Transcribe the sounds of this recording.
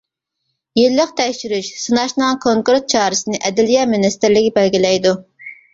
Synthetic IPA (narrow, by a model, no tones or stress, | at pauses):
jelːɪqt̪ʰɛkʲʃyɾyʃsɨnɑʃnɨŋkʰoŋkuɾt̪̚t͡ʃʰɑːɾɨsɨnɨʔɛd̪ɪlijɛmɪnɛst̪ɪɾlɪɡʲibælɡʲilɛjd̪u